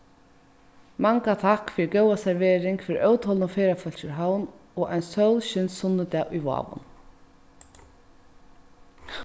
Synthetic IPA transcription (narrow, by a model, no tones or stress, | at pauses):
maŋkat̪ʰakːfɪːɾɪɡœwasɛɾʋeːɾɪŋkfɪːɾ̰ʔœwt̪hɔlnɔfeːɾafœl̥t͡ʃɪɾɦawn | ɔːʔajnsœwlɕɪnsʊnːəd̪ɛːʔʊjʋɑ̰ːʋʊ̰n